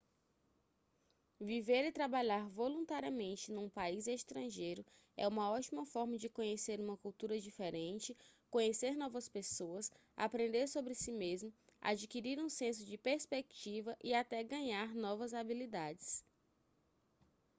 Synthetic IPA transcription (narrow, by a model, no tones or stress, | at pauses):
viveɾit̪ɾabaʎaɾvolũnt̪aɾiɐmẽnt͡ʃɪnũpaizeʃt̪ɾɐ̃ʒejɾʊ | ɛ̰ũmɐɔt͡ʃimɐfɔɾmɐd͡ʒɪkõɲeseɾũmɐkuwt̪uɾɐd͡ʒifeɾẽnt͡ʃɪkõɲeseɾnɔvɐspesoɐs | a̰pɾẽnd̪eɾsobɾɪsimezmʊ | a̰d͡ʒikiɾiɾũsẽsʊd͡ʒɪpeɾspeki̥t͡ʃivɐʔiat̪ɛɡɐ̃ɲaɾnɔvɐzabilid̪ad͡ʒɪs